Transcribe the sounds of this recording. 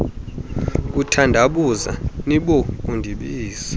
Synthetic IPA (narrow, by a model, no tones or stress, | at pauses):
k̬ʼutʰandʱaɓuza̰niɓok̬ʼundʱiɓiːsi̥